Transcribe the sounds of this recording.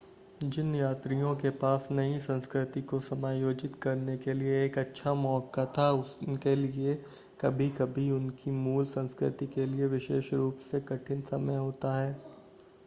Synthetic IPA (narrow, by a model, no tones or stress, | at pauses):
d͡ʒɪnjaːt̪ɾijõkepaːsnɐisɐ̃nskɾɪt̪ikosɐmaːjoːd͡ʒɪt̪kɐɾnekelieːkɐtːʃʰamɔːkat̪ʰaʊskelie | kɐbʱikɐbʱiʊnkimuːlsɐ̃nskɾɪ̰t̪ikelieʋɪʃḛːʃɾuːpsekɐʈʰɪnsɐməjɦoːt̪aɦɛː